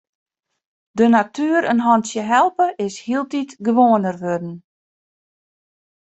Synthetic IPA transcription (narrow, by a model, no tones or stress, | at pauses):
dənatʰyəɾənɦɔntsjəɦɛlˠpəʔɪshiəlˠtitɡəʋoːənərʋødn̩